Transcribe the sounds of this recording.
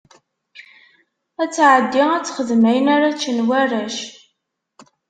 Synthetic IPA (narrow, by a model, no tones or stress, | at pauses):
æt͡sːʕəd̪ːiæt͡sːχəðmæjənaɾat͡ʃːənwæræʃ